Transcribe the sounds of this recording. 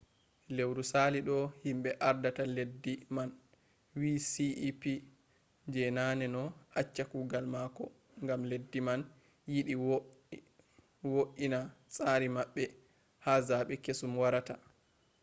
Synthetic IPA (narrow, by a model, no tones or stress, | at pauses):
lewɾusaliɗɔhimɓɛʔaɾdataledːiman | wiːsiipi | d͡ʒɛnaːnɛnɔʔat͡ʃːakuːɡalmakɔ | ŋɡamledːiman | jiɗi | woʔinasʼaːɾimaɓːɛ | hazaɓɛkesumwaɾata